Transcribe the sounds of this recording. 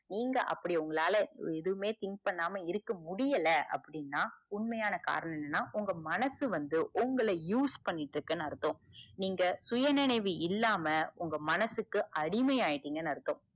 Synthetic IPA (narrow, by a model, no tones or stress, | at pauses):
niːŋɡɐʔɐ̰pːɐɽiʊŋɡɐɭaːlɐɛðɯʋɯmeːt̪ɪŋɡpɐɳːaːmɐɪɾɯkːɐmʊɽɪjɐlɐʔɐ̰pːɐɽɪnːaːʊɳmɐjaːnɐka̰ːɾɐnɐmɪnːɐnːaːʔʊŋɡɐmɐnɐsɯʋɐnd̪ɯʔʊŋɡɐɭɐjuːspɐɳːɪʈːɾɯkːɐnːɯɐɾɯt̪ːõːniːŋɡɐsʊjɐnɪɳɐɪʋɯɪlːaːmɐʊŋɡɐmɐnɐsɯkːɯʔɐɽɪmɐjaːjɪʈːiːŋɡɐnɯɐɾɯt̪ːõː